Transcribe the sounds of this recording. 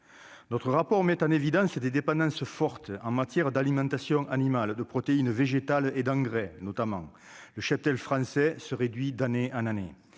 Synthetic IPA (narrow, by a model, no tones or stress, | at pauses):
nɔt̪χəʁapɔʁmɛt̪ɑ̃nevid̪ɑ̃səd̪ed̪epɑ̃d̪ɑ̃səfɔʁt̪əɑ̰̃ŋmat̪jɛʁəd̪alimɑ̃t̪asjɔ̃ŋʔanimald̪əpχɔt̪einveʒet̪aled̪ɑ̃ŋɡʁɛnɔt̪amɑ̰̃ŋ | ləʃap̚t̪ɛlfχɑ̃sɛsəʁed̪ɥid̪aneʔɑ̃nane